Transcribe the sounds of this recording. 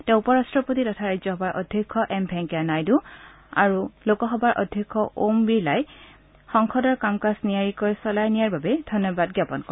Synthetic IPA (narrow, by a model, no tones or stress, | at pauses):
tɛ̃ʊ̃upɔɹastɹɔpotitɔtʰaɹajzɔɦɔbaɹʔɔ̰dʱjekʰːɔʔɛmbʱɛŋkjanajdu | a̰ɹulokɔxɔbaɹʔɔ̰dʱjekʰːɔʔombiɹlaj | xɔŋkʰɔdɔɹkamkasnijaɹikɔjsɔlajnijaɹbabɛdʱɔnːɔbadɡjapɔnkɔɹ